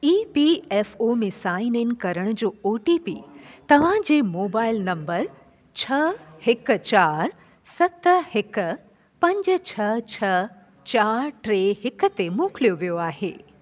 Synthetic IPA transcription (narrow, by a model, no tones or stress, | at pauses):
iːpiɛːfoːmẽsaːɪnɪn̆kɐɾəɽ̃ʊ̆d͡ʑoːoːʈipiːt̪ɐʋ̤ãd͡ʑeːmoːbaːɪlnɐ̃mbəɾ | t͡ɕʰɐhɪkt͡ɕaːɾ | sɐt̪hɪk̆ | pɐ̃ɲd͡ʑ̆t͡ɕʰɐt͡ɕʰɐ | t͡ɕaːɾʈɾeːɦɪkə̆t̪emõːklijoʋijoaːɦḛː